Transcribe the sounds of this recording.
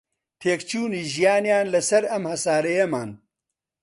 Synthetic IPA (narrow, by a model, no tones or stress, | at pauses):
t̪ʰeːkt͡ʃuːniːʒijaːnjaːnlɐsɐɾɐmhɐsaːɾɐjɐmaːn